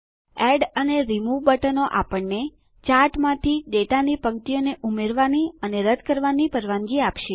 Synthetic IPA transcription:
ɛɖəneɾimuʋbəʈənoʔapəɳːe | t͡ʃaɾʈmãt̪ʰiɖeʈanipəɡt̪ijoneʔumeɾʋaniəneɾəd̪kəɾʋanipəɾʋãŋɡiapʃe

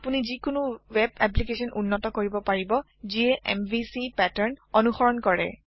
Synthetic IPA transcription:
punizikʊnuwɛbɛp̬likesɔnʔunːɔtɔkoɹibɔpaɹibɔ | ziɛʔɛ̰mbʱisipɛtaɹnɔnuxɔɹɔnkɔɹɛ̰

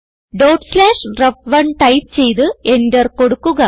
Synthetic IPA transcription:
ɖoːʈslaːʂɖrɐbʋɐɳʈɐjp̚t͡ɕe̞jt̪ɨendɐrko̞ɽukːuɣɐ

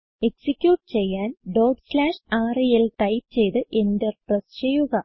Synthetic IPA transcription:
e̞ksikʲjuːʈːɨt͡ɕe̞jːaːnɖoːɖslaːʂaːrijɐlt̪ɐjpt͡ɕe̞jt̪ɨʔe̞ndeprɐsɕejuɣɐ

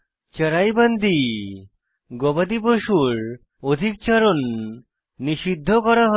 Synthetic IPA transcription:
t͡ɕəɾajband̪ʱi | ɡobad̪iboʃuɾ | od̪ʱik̚t͡ɕaɾonː | iʃid̪ʱːokɔɾaɦo

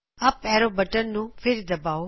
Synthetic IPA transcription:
ɐpɛɾobəʈəɾnũpʰɪɾd̪əbao

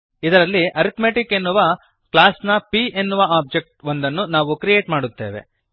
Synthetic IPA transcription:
id̪ɐɾɐlːiʔɐɾit̪meːʈikːe̞nːuʋɐ | klaːsnɐpienːuʋɐaːb̚d͡ʒek̚ʈond̪ɐnːunaːʋukɾijeːʈmaːɽut̪ːe̞̰ːʋe̞̰

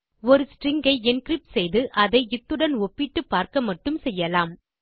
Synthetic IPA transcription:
ɔɾɯsʈɾɪŋɡɐɪɛnkɾɪp̚ʈsɛjðɯʔɐðɐɪɪt̪ːɯɽɐnɔpːɪʈːɯpːaːɾkɐmɐʈːɯmsɛjːɐlaːm

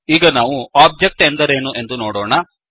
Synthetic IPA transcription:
iːɡɐnaːʋuaːb̚d͡ʒek̚ʈend̪ɐɾeːnuʔe̞nd̪unoːɽoːɳɐ

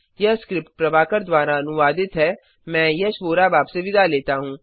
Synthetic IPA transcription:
jɐskɾɪpʈ̚pɾɐʋaːkəɾd̪ʋaːɾaɐnʊʋaːd̪ɪt̪ɦɛː | mɛ̃ːjɐʃʋoːɾabaːbseʋɪd̪aleːt̪aɦũː

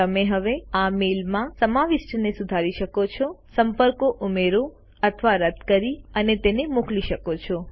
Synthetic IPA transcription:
əmeɦəʋeamelmãsəmaʋiʃʈnesud̪ʱaɾiʃəkot͡ʃʰosəmpəɾkoʔumeɾo | ət̪ʰəʋaɾəd̪ʱkəɾiənet̪enemukliʃəkot͡ʃʰo

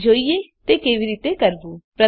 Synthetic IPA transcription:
d͡ʒʱoːiet̪ekeːʋiɾiːt̪ekɐɾbuːpɾə

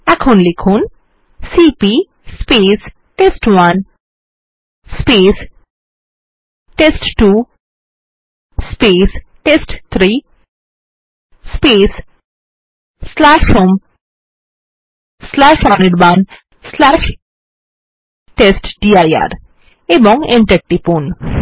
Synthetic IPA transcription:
akʰanlikʰun | siːpi | speːs | ʈesʈʋan | speːs | ʈesʈʈuː | speːs | ʈesʈt̪ʰɾiː | speːs | slaʃhoːm | slaʃɔːneɖban | slaːʃ | ʈesʈɖiːaja̰ɾ | ebɔ̃ŋẽɳʈek̚ʈipũːn

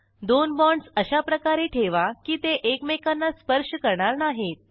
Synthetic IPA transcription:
d̪onbɔɳɖsəɕapɾəkaɾeʈʰeʋakiːt̪eʔekmekanːaspəɾʂəkəɾɳaɾnaɦet̪̚

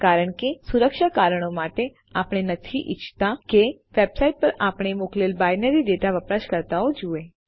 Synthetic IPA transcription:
kaɾəɳ̃kesuɾəkʃakaɾəɽ̃omaʈe | apɽ̃enət̪ʰiʔɪ̰t͡ʃʰt̪akeʋebsaiʈ̚pəɾapɽ̃emoklelbajnəɾiɖeʈaʋəpɾaʃkəɾt̪aod͡ʒue

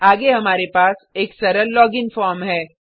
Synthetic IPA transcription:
aːɡeɦɐmaːɾepaːseːksɐɾəɾlɔːɡɪnfɔːɾmɦɛː

